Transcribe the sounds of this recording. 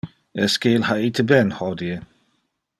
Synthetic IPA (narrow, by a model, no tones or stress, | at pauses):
ɛskeːlhait̪ʰəbɛnhɔd̪iə